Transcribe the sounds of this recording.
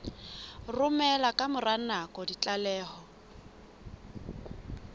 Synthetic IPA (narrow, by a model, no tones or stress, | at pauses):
rʊmɛlakʼamʊranakʼɔdit͡ɬʼalɛːhɔ